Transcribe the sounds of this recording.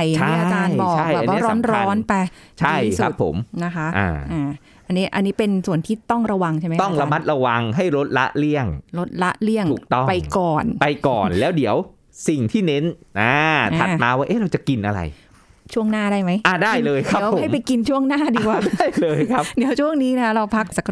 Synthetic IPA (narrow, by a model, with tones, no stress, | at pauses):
jai˧˥˦a˧t͡ɕaː˧jbɔː˨˩ka˥˩jbɛː˨˧˩waː˦˧˥ɾɔː˦nɾɔː˧˦˥npa˧ | t͡ɕʰa˧˥˩ji˥ksua˦˩˥pʰːo̰˨˩˦mna˦˥kʰa˦˥ʔʔa̰ː˨˩ʔaː˨˩ | ʔa˧nːiː˦˥ʔa˧nːiː˦˥pe˧nsu˨˩ənt̪ʰiː˥˩t̪ɔ˥˩ŋɾa˧wa˧ŋt͡ɕʰa˥˩jma˦t̪ɔ˥˩˧ŋɾa˧˦ma˦˥t̪̚ɾa˧wa˧ŋɦa˥˩jɾo˦˥t̪̚la̰˦˥ʔli˥˩əŋɾo˦˥t̪̚la˦˥ʔli˥˩əŋʰu˨˩k̚t̪ɔ˥˩pa˧jkɔː˨˩npa˧jkɔ̰ː˨˩nlɛː˦˥wdi˨˩˦əw | si˨˩ŋt̪ʰiː˥˩ne˦˥nʔaː˦˥˩ʔ̪ʰa˨˧˩t̪̚maː˧waː˥˩ʔe˦˥˩ɾa˧wt͡ɕa˨˩ki˧nʔa˧ɾa̰˧j | t͡ɕʰu˥˩əŋnaː˥˩daː˥˩jma˦˥jʔa˧˩daː˥˩jlɤː˧jkʰa˦˥˦wʰːo˨a˥˩jpa˧jki˧nt͡ɕʰu˥˩əŋnaː˥˩diː˧kwaː˧˩˥lɤː˧jkʰa˦˥di˨˩˦əwt͡ɕʰu˥˩əŋniː˦˥na˦˥kʰa˦˥ɾa˧wpʰa˦˥k̚sa˨˩k